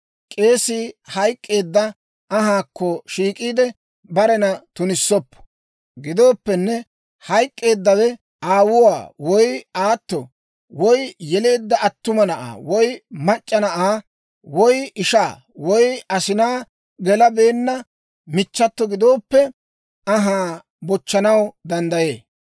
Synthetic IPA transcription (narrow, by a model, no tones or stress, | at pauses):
kʼe̞ːsihɐjkʼːe̞ːd̪ːɐ | ʔɐɦaːkːɔʃiːkʼiːd̪ɛ | bɐɾɛnɐt̪ʊnɪsːɔpːɔ̥ | ɡɪd̪o̞ːpːɛnːɛ | hɐjkʼːe̞ːd̪ːɐwɛ | aːwʊwa̰ːwɔjaːt̪ːɔ | wɔjjɛle̞ːd̪ːɐɐt̪ːʊmɐnɐʔa̰ːwɔjmɐt͡ʃʼːɐnɐʔaː | wɔjɪʃaː | wɔjɐsɪnaː | ɡɛlɐbe̞ːnːɐ | mɪt͡ʃːɐt̪ːɔɡɪd̪o̞ːpːɛ | ɐɦaː | bɔt͡ʃːɐnɐwd̪ɐnd̪ɐje̞ː